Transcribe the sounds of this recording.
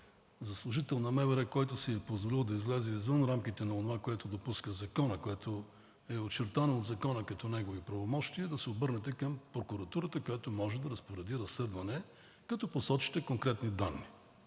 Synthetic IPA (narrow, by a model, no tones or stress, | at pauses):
zɐslˠʊʒit̪ɛlˠnɐmɛvɛɾɛkɔjt̪ʊsiɛpozvolilˠd̪ɐizlɛzɛizvənɾamk̟it̪ɛnɐonovakoɛt̪od̪opuskəzɐkɔnəkoɛt̪o | ɛot͡ʃɛɾt̪anood̪zɐkɔnəkɐt̪ɔnɛɡovipɾɐvomɔʃt̪iəd̪ɐsɛobɤɾnɛt̪ɛkɐmpɾokʊɾɐt̪uɾət̪əkojat̪omɔʒɛd̪ɐɾəspoɾɛd̪iɾɐslɛd̪vɐnɛ | kɐt̪ɔposɔt͡ʃi̥t̪ɛkoŋkɾɛt̪nid̪anːi